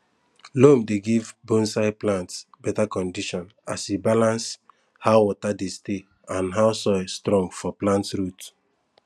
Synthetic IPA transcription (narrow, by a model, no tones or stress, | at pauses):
lõmdeɡivbõnsaɪplãntsbɛtakɔ̃ndiʃɔ̃n | a̰sibalãns | haʊwɔtadeste | ãnɦaʊsɔstɾɔ̃ŋɡfɔplãntsɹut